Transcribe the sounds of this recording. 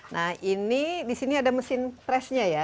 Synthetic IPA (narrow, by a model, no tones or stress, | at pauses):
nʔahinidisiniadaməsɪnpɾɛsɲaja